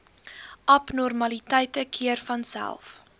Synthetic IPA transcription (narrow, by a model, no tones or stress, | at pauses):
ʔɐpnɔrmɐlitəjtəkʰiərfɐnsæ̰lˠf